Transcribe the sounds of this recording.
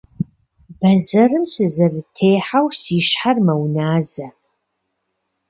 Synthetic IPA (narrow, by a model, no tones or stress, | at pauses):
bɐzɐrɨmsɨzɐrtʰeːħawsiːʃħarmɐwnaːzɐ